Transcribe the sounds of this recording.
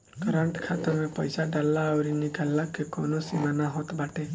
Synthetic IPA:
ɡəɾaɳʈkʰat̪əɾmepəjsaɖalaawɾiniɡalːakːekonosimanaɦot̪baʈe

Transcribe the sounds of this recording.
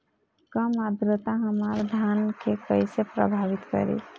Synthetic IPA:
kəmad̪ɾət̪aɦəməɾd̪ʱankekəjsepɾə̰bʱaβit̪kə̰ɾḭ

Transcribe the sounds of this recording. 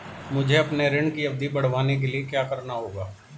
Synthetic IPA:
mʊd͡ʒʱeɐpneɾɪɳkiɐb̚d̪ʱibɐɽ̤ʋaːnek̬eliekjaːkɐɾnaɦoːɡaː

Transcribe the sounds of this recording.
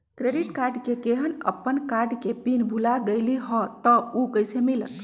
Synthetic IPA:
kɾeɖiʈkaɾɖkekeɦənə̰pːənkaɾɖkepinbʱulaɡejliɦɔ̃t̪əukəjsemilə̰t̪

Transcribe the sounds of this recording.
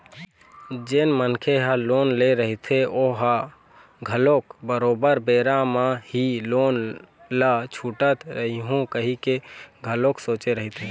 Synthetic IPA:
d͡ʒenmənkʰeɦəloːnleɾəɦit̪ʰeoɦa | ɡʱəlokbəɾoːbəɾbeːɾamahiloːn | lət͡ʃʰuːʈət̪ɾəɦiɦũkəɦikeɡʱəloksoːt͡ʃeɾəɦit̪ʰe

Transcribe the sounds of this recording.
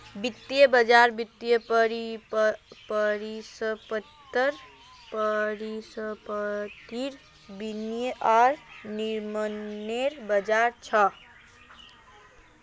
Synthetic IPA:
bit̪ːjəbəd͡ʒaɾbit̪ːjəpəɾi | pəɾisəpət̪ːəɾ | pəɾisəpət̪iɾ | binjəʔaɾniɾməneɾbəd͡ʒaɾt͡ʃʰʌ

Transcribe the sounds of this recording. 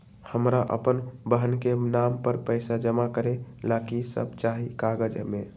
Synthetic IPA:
həmɾaʔə̰pənbəɦənkenampəɾpəɪsad͡ʒəmakəɾelakisə̰b̚t͡ʃaɦikaɡəd͡ʒme

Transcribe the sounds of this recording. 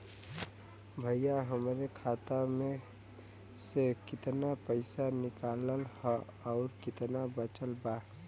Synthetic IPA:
bʱəjjaɦəmɾekʰaːt̪amẽ | sekɪt̪napəɪsanɪkaləlhɔ | ɔʊɾkɪt̪nabət͡ʃəlba

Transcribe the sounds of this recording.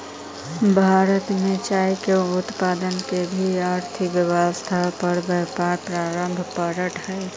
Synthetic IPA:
bʱaːɾət̪mẽt͡ʃaːikeʊt̪paːd̪ənkebʱiaɾt̪ʰɪkʋɪwast̪ʰapəɾbɛpaːɾpɾaːɾəmbʱpəɾəʈʰhɛe

